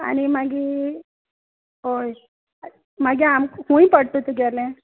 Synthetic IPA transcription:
a̰ñimaɡi | ɦoj | maɡiamkhũĩpəɽt̪ot̪uɡalẽ

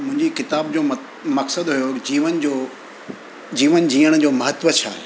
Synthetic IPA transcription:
mʊ̃ɦɪ̃ɲd͡ʑikɪt̪aːbd͡ʑoː | mɐksəd̪ɦujod͡ʑiːʋənd͡ʑoː | d͡ʑiːʋənd͡ʑiːəɽ̃d͡ʑoːmɐɦət̪ʋət͡ɕʰaːɦe

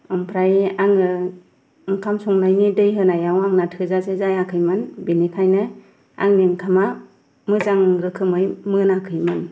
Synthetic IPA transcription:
ɯmpʰɾajaŋɯ | ɯŋkʰamsɔŋnajnidɯjɦɯnajawaŋnatʰɯzasezajakʰɯjmɯnbinikʰajnɯ | a̰ŋniŋkʰama | mɯzaŋɾɯkʰɯmɯjmɯnakʰɯjmɯn

